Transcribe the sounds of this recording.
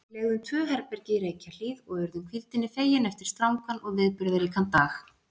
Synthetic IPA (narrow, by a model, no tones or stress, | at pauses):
lɛːɣðʏmt̪ʰvœːɦɛɾpɛɾcɪiɾeːjcal̥iðɔɣɛɾðʏmkʰvilt̪ɪnːɪfeːjɪnɛft̪ɪɾ̥st̪ɾawŋkʰanʔɔɣvɪðpʏɾðaɾikʰant̪aːx